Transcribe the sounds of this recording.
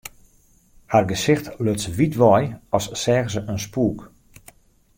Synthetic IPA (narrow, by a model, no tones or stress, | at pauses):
harɡəsɪxtløtsʋitʋɔjɔssɛːɣsəʔənspuːk